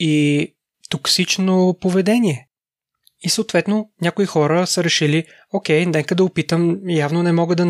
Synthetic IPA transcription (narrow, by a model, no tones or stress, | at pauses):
i | t̪oksit͡ʃnopovɛd̪ɛniɛ | isoːt̪vɛt̪nonʲakoixɔɾəsəɾɛʃili | okʲɛjnd̪ɛŋkəd̪ɐʊpit̪əmjavnonɛmɔɡəd̪ɐ